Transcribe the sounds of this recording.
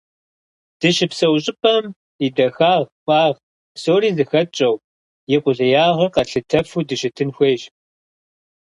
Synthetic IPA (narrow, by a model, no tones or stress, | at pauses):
d̥ɨʃɪpsɐwɕ̬ʼɪpʰɐm | idɐxaːʁxʷʼɑːʁ | psoːɾiːzɨxɐt͡ʃʼɐw | jɛqʷʼʊɮɐjaːʁɐrqɐɬɨtʰɐfuːdɨʃɪtʰɨnxʷeːʒ